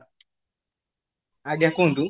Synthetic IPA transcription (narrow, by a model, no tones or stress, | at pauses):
aɡakundu